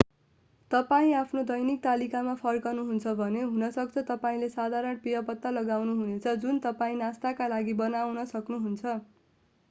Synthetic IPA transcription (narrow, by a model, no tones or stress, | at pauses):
t̪ʌpaĩapʰnod̪ʌjnik̚t̪alikamapʰʌrkʌnuɦunt͡sʰʌbʱʌneɦunʌsʌk̚t͡sʰʌt̪ʌpaĩlesad̪ʱaɾʌnpijʌpʌt̪ːalʌɡawnuɦunet͡sʰʌd͡zunt̪ʌpaĩnast̪akalaɡibʌnawnʌsʌknuɦunt͡sʰʌ